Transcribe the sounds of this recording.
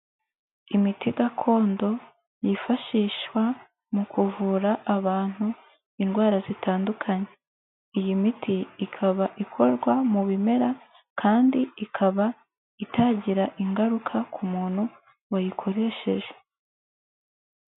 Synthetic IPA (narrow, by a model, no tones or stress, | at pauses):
imitiɡakʰo̞ːndo̞ | jifaʃiːʃwa | mukuvuɾaʔːβaːn̥hu | inɡwaːɾazitaːndukʰaɲe | ijimitʰiːkʰaβaʔikʰo̞ɾɡwamuβime̞ɾa | kʰaːndiikʰaβa | itaːɟiɾaʔiŋɡaɾukʰakumuːn̥hu | wajikʰo̞ɾe̞ːʃe̞̰ʒe̥